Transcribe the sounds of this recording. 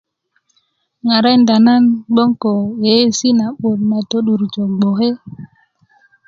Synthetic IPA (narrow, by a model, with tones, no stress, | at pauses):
ŋa˨ɾa˦nda˨na˦nɡ͡bo˦ŋko˨je˨˦si˦na˨ɓo˨ɗna˨to˦ɗu˨ɾt͡ʃo˨ɡ͡bo˨ɦe˦